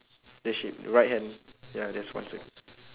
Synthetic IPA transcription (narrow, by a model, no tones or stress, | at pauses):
d̥ɛʃip̚ɹaɪt̚hɛ̃ndjadɛswã̰nsɛk